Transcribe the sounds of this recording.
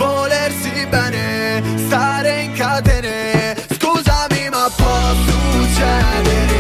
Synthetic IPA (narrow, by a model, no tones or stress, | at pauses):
volersibɛːnest̪aːɾeiŋkad̪eɾe | skuːzamimapːɔt̪ut͡ʃɛd̪e